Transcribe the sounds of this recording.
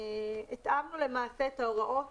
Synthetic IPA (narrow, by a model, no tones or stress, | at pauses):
it̪ʔamnulemaːset̪aoʁaʔo